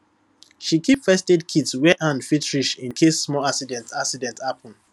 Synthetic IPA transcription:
ʃikʰipfɛstedkʰidswɛʔãnfitɹiʃĩnkʰesːmɔaksidɛ̃ntaksidɛ̃nthapʰɔ̃n

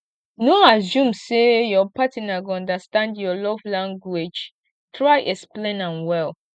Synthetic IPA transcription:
noasũmsejɔpatinaɡoɔ̃ndəstãndjɔlɔvlãŋɡwed͡ʒ | tʰɹaɪʔɛksplẽnãnwɛl

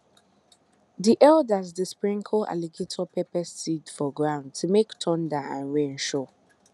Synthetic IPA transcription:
diʔɛldazðəspɹĩŋkʰoʔa̰liɡetʰɔpʰɛpɛsːidfɔɡɹãʊ̃nd̚tʰumektʰɔ̃ndaãnɹẽnʃɔ

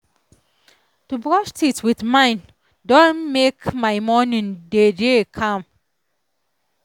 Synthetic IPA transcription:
tubɹɔʃtitwiðmãɪ̃n | dõnmekmaɪmɔnĩndedekʰʌ̃m

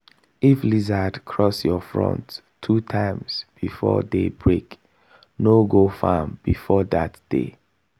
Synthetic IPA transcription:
iflizadkʰɹɔsjɔfɹɔ̰̃ntʰː | utʰãɪ̃msb̥ifɔ̰debɹek | noɡofamb̥ḭfɔdatd̥ḛ

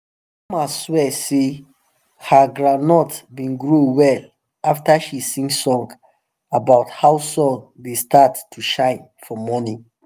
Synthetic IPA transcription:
maswɛse | həɡɹãnɔtbĩnɡɹuwɛl | aftəʃisĩŋsɔ̃ŋɡ | abaʊthawsɔ̃nwistatːʰuʃãɪ̃n | fɔmɔnĩ

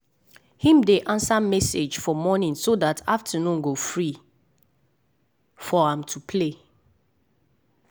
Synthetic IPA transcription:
hĩmdeʔãnsamɛsed͡ʒfɔmɔnĩnsodataftʰənũnɡofɹi | fɔãmtʰupʰle

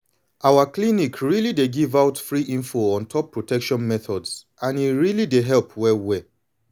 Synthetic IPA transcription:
ʔaʊwaklinikɹilideɡivaʊtfɹiʔĩɱfoɔ̃ntʰɔpʰːɹotʰɛkʃɔ̃nmɛθɔdsʔãniɹilideɦɛlpʰwɛlwɛ

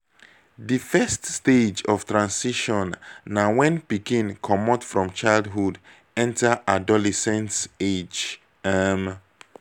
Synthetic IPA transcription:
difɛststed͡ʒɔftɹãnsiʃɔ̃nːawɛ̃npikĩnkʰɔmɔtfɹɔ̃mt͡ʃaɪldɦud | ɛ̃ntaʔadɔlɛsɛ̃nsed͡ʒ | am

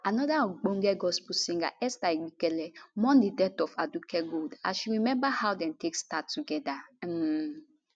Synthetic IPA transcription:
anɔdaɔ̃ɡ͡bõŋɡɛɡɔspusĩŋɡa̰ʔɛstaiɡ͡bikɛlɛmɔ̃ndidɛtɔfadukɛɡoda̰ʃuɹimɛ̃mbahawdɛ̃ntʰekstatːuɡɛda

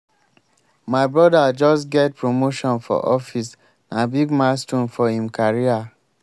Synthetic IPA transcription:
maɪbɹɔdad͡ʒɔsɡɛt̚pɹomoʃɔ̃nfɔ̰ʔɔfis | nabiɡmastũnfɔhĩmkʰaɹia

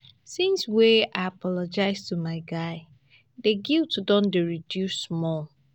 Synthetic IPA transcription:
sĩnsweaɪapʰɔlɔd͡ʒaɪztumaɪɡaɪ | deɡiltdɔ̃ndeɹidjusmɔ

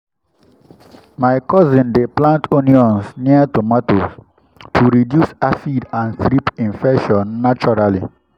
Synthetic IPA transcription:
maɪkɔzĩndeplãntʰoniɔ̃nsniatomɔtos | tʰuɾidjusasidãnθɾipĩnfɛkʃɔ̃nːat͡ʃɔɹali

